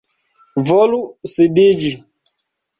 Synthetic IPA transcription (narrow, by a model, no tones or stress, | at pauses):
vɔlusidid͡ʒi